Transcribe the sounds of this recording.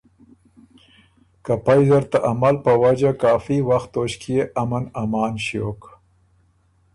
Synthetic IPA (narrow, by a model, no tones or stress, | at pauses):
kapajzaɾt̪aʔamalpəwad͡ʒakɑːfiwaxt̪ːoʃkjeʔamanamɑːnʃjo̰k